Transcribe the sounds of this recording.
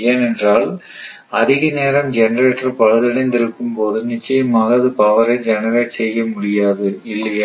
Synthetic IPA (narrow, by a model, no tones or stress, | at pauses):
eːnɛndraːɭ | ɐðɪɣɐneːɾɐmd͡ʒɛnɐɾeʈrɐpɐɻɐðɐɽɐɪnd̪ɪɾɯkːɯmpoːðɯnɪt͡ʃːɐjɐmaːɣɐːðɯpaːʋɐɾɐɪd͡ʒɛnɐɾeːʈsɛjːɐmʊɽɪjaːðɯɪlːɐjɐ